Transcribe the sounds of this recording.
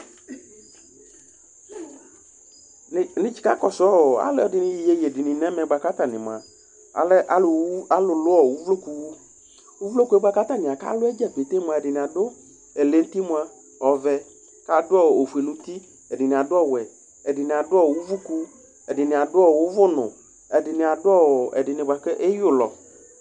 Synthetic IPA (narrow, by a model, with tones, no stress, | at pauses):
nɪ̃˦t͡ʃi̥˨˦ka̰˦kɔ˨sɔ˦ɔ˨a̰˨lɛ˦ɔ˦dɪ˦nĩ˦jje˨˦je˨dɪ˨nĩ˨nɛ̃˦mɛ˨ɡ͡ba˨ka˦t̪a˨nɪ̰̃˨mã̰˨ | a̰˨lɛ˦ʔa˦˨˦a˦lʊ˨lʊ˦ɔ˨wu˦vlo˦ku˦wu˦ | wu˦vlo˦ku˦ɛ˦ɡ͡ba˦ka˦t̪a˦nɪ̃˨a˨ka̰˦lʊ˦ɛ˦d͡ʒɛ˦k͡pe˨t̪e˦mũ˨a˨e˨dɪ˨nĩ˨a˨dʊ˦ | e˨le˦n̩˦t̪i˦mʷ˦a˦ | ɔ˨vɛ˨ | ka˦dʊ˦ɔ˦˨o˨fu˨e˨lu˦t̪i˦ | ɛ˨dɪ˨nĩ˨a˨dʊ˦ɔ˦˨wɛ˨ | ɛ˨dɪ˨nĩ˨a˨dʊ˦ɔ˦˨wʊ˦vu˦ku˦ | ɛ˨dɪ˨nɪ̃˨a˨dʊ˦ɔ˦˨wʊ˦vʊ˦nʊ̰̃˨ | ɛ˨dɪ˨nɪ̃˨a˨dʊ˦ɔ˦wɔ˨ɛ̰˨dɪ˨nɪ˨ba˨ke˦ʔe˦jʊ˦lɔ̰˨